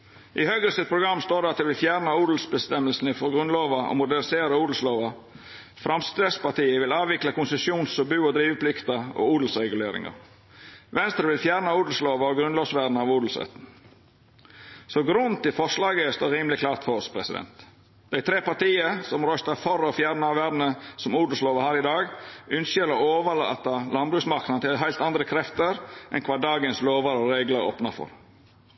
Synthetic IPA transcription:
ʔɪhœɡɾəsɪt̪̚pʰɾʊɡɾɑmːst̪oːɖ̪ɛɑt̪d̪ɛʋɪlfjæːɾnəuːd̪l̩sbəst̪ɛmːəlsn̩ɪfɔɾɡɾʉnloːʋɑʔɔ̰mʊd̪ænɪseːɾəuːd̪l̩sloːʋɑ | fɾɑmst̪ɾeːspɑʈ̪iːəʋɪlɑːʋʋɪklɑkʊnsəsjuːnsɔbʉːɔd̪ɾiːʋəpʰlɪkt̪əɔ̰uːd̪l̩sɾɛɡʉleːɾɪ̰ŋɑ̰ɾ | ʋɛnst̪ɾəʋɪlfjæːɾnəuːd̪l̩sloːʋɑɔɡɾʉnloːʋsʋæːd̪n̩ɑʋuːd̪l̩sɾɛ̰t̪n̩ | sɔɡɾʉnt̪ɪfɔʂlɑːɡəɛst̪oːɾiːməlɪklɑːɾt̪fɔɾɔspʰɾɛsɪd̪ɛ̰nt̪ | d̪̥æɪt̪ʰɾeːpɑɾʈ̪iːəsɔmɾœst̪ɑfɔɾɔfjæːɾnəɑʋʋæːd̪n̩əsɔmuːd̪l̩sloːʋəhæːɾɪd̪ɑːɡʏnsəɾɔoːʋəlɑ̰t̪ɑlɑnbɾʉːsmɑɾknɑət̪ʰɪlɦæɪt̪ɑnd̪ɾəkʰɾɛft̪əɾʔɛ̰nkʰʋɑːdɑːɡənsloːʋɑɾɔɾeːɡləɾo̰ːpnɑfɔ̰ɾ

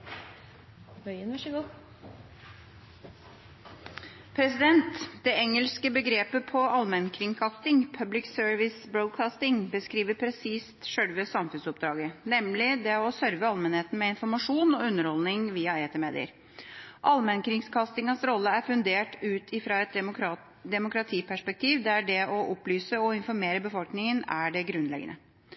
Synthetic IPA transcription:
œʏənʋæʂəɡuː | pʰɾɛsɪd̪ɛnt̪d̪ɛɛŋəlskəbəɡɾeːpəpʰɔʔɑlmɛnkʰɾɪŋkʰɑst̪ɪŋpʰœblɪksøɹʋɪsbɾod̪̚kʰɑːst̪ɪŋbəskɾiːʋəpʰɾɛsiːst̪ʂœɽʋəsɑmfʉnsɔp̚d̪ɾɑːɡənɛmlɪd̪ɛɔsœɾʋəɑlmɛnheːt̪n̩mɛɪnfɔɾmɑʂuːnɔʉnːəɾhɔlnɪŋʋiːɑeːt̪ʰəmeːd̪ɪ̰ə̰ɾ | ʔɑlmɛnkɾɪŋskʰɑst̪ɪŋɑsɾɔlːəæɾfʉnd̪eːʈʉːt̪ʰɪfɾɑɛt̪ | d̪ɛmʊkɾɑt̪ʰiːpʰæʂpɛk̚t̪ʰiːʋd̪ɛæɖɛɔʔɔplyːsəɔɪnfɔɾmeːɾəbəfɔlknɪŋənæɖɛɡɾʉnlɛ̰ɡə̰nə̰

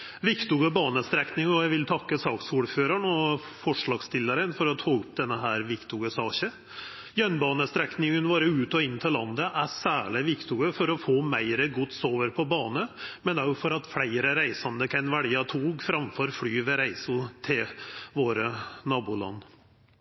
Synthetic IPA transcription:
ʋɪkt̪uɡəbɑːnəst̪ɾɛknɪŋɔjæɪʋɪlt̪ʰɑkːəsɑːksuːɖføːɾəɳɔ | fɔʂɭɑːɡst̪ɪlːəɾənfɔɾɔt̪ʰɑːʉp̚d̪ɛnːəɦæːɾʋɪkt̪uɡəsɑːɕə | jœnbɑːnəst̪ɾɛknɪŋənʋoːɾəʉːt̪ɔɪnːt̪ʰɪlːɑnd̪əʔæsæːɭɪʋɪkt̪uːɡəfɔɾɔfoːmæɪɾəɡʊt̪soːʋəɾpʰɔbɑːnəmɛnɑʊfɔɾɑt̪flæɪɾəɾæɪsɑnd̪əkʰɛnʋæɽjɑt̪ʰuːɡfɾɑmfɔɾfɽyːʋɛɾæɪsʊt̪ʰɪlʋoːɾənɑːbuːlɑ̰nː

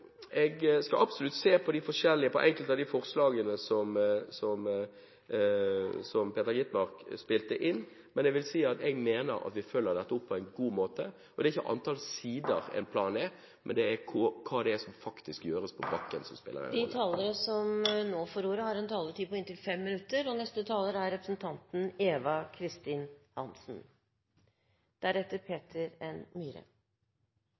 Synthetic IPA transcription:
ʔɛɡskɑlʔɑbsɔlʉt̪ːseːpʰɔd̪ɪfɔʂɛlːɪəpʰɔ̰ʔɛŋkəlt̪ɑʋd̪ɪfɔʁslɑːɡənəsɔmsɔm | sɔmpʰeːt̪əɾɡɪt̪mɑʁkspɪlt̪əʔɪnː | mɛnɛɡʋɪlsiːɑt̪ɛɡmeːnə̰ɾɑ̰t̪ʋɪføːlːəʁd̪ɛt̪ːəɔpʰːɔæɪnɡuːmoːt̪ə | ɔd̪ɛɾɪçːəʔɑ̰nt̪ʰɑlsiːd̪əɾɛ̰npʰlɑːnɛ | mʔɛnd̪ɛæɾkʰɔkʰɑːd̪ɛæsɔmfɑkt̪ɪskjøːɾəspʰɔbɑkːənsɔmspɪ̰lə̰ɾɛ̰nd̪ɪt̪ʰɑːləɾəsɔmnoːfɔɾuːɾəhɑɾɛnt̪ʰɑːlət̪ʰiːpɔɪnt̪ʰɪlfɛmːɪnʉt̪ːəɾɔnɛst̪ət̪ʰɑːləɾæɾɾɛpɾəsnt̪ʰɑnt̪n̩eːʋɑkʰɾɪst̪iːnhɑnsn̩ | d̪̥æɾɛt̪ːəɾpʰeːt̪ʰəɾɛnmiːɾə̰

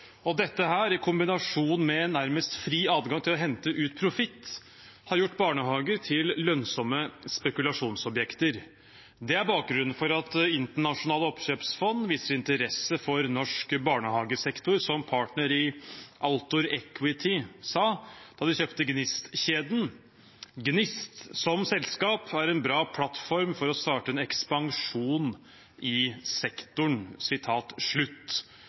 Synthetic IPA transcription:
ɔd̪ɛt̪ːəɦæːɾɪkʰʊmbɪnɑʂuːnmɛɛnːæɾməst̪fɾiːɑːd̪ɡɑŋt̪ʰɪlɔɦɛnt̪əʔʉːt̪pʰɾʊfɪt̪ː | hɑɾjʊʈːbɑːɳəhɑːɡəɾt̪ʰɪlːœnsɔmːəspɛkʉlɑʂuːnsɔbjɛkt̪əɾ | d̪ɛæɾbɑːk̚ɡɾʉnːənfɔɾɑt̪ɪnt̪əɳɑʂʊnɑːləɔpɕøːpsfɔnːʋiːsəɾɪnt̪əɾɛsːəfɔɾnɔʂkbɑːɳəhɑːɡəsɛkt̪ʊɾsɔmpʰɑːʈɳəɾɪːʔɑlt̪ʊɾɛkʰwɪt̪ʰɪsɑːd̪̥ɑːd̪ɪçøːpt̪əɡnɪst̪ɕeːd̪n̩ | ɡnɪst̪sɔmsɛlskɑːpæɾɛnbɾɑːpʰlɑt̪fɔɾmfɔɾɔst̪ɑːʈəɛnɛkspɑŋʂuːn | ʔɪsɛkt̪ʊɳsɪt̪ʰɑːt̪ʂɭʉt̪ː

